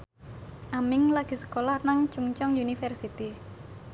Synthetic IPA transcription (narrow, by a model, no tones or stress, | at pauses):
ʔamɪŋlaɡ̥isə̥kolahnaŋt͡ʃuŋt͡ʃɔŋjunifɛrsit̪i